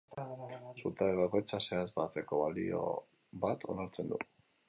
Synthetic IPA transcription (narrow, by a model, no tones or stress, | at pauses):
sut̪aeβako̞jt͡sase̞azbat͡s̪e̞ko̞βalḭo̞̰ | βat̪o̞̰naɾt͡se̞nd̪ṵ